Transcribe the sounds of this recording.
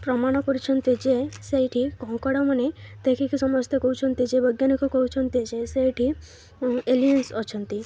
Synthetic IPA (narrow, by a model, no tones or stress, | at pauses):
pɾɔmaɽ̃ɔkɔɾit͡ʃʰənt̪id͡ʒesejʈʰikɔ̃ɦũkɔɽamənet̪ekʰikisɔmɔst̪ʰekɔɦut͡ʃʰɔnt̪id͡ʒebəɡjanikɔkɔɦut͡ʃʰɔnt̪id͡ʒesejʈʰi | eliənsɔt͡ʃʰənt̪i